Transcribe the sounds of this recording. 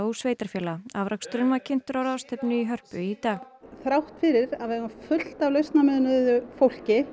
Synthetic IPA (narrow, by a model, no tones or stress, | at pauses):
usveːjt̪aɾ̥fjɛːlaavɾʔakst̪ɾʏnvaɾcʰɪnt̪ʏɾawɾawst̪ʰɛpnʏiɦœr̥pʏit̪aːɣ | θɾawht̪fɪɾɪɾaðvɛɣafʏl̥t̪avlœjst̪namɛðnʏðʏfowl̥cɪ